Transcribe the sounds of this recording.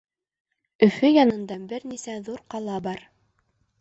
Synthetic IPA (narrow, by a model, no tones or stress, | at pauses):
ɵ̆fɵjɑnɤ̆nd̪ɑbɘɾnisæðuɾqɑlˠɑbɑɾ